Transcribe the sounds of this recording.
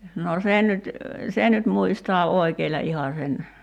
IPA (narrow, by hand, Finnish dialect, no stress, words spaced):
noː sen nyt sen nyt muistoɑ oikeilʲɑ ihɑ sen